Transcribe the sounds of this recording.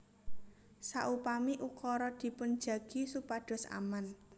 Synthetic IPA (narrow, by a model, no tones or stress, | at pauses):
sa̰ʔupamiʔukɔɾɔd̪̥i̤pʊn̥d͡ʒ̥ä̤ɡ̥i̤supaɖ̥ɔ̤sa̰man